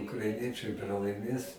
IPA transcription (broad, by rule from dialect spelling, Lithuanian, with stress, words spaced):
ʊkrɐɪˈnʲiɛt͡ʃɐɪ prɐlˠɐɪˈmʲeːs